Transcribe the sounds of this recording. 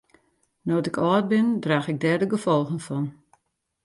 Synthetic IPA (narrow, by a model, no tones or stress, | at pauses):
noːtɪkʰɔːt̚bɪndraːxɪɡ̚dɛrdəɡəfɔlˠxənfɔn